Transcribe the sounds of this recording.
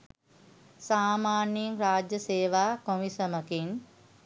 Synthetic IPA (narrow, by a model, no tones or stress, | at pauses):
saːmaːnjiŋɾaːd͡ʒjəseːʋaːkomisɐməkin